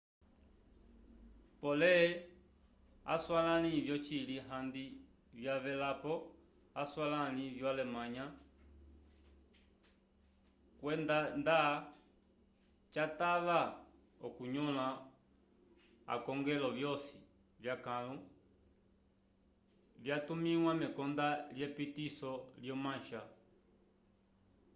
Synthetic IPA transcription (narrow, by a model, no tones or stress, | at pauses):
pɔlɛ | a̰swalanivjɔt͡ʃiliɦand̪i | vjavɛlapɔ | aswalanĩvjɔalɛmaɲa | kwɛndand̪a | t͡ʃataβa | ɔkuɲɔla | a̰kɔŋɡɛlɔvjɔsi | vjakalu | vjatumiwamɛkɔndaljɛpitisɔljɔmãʃa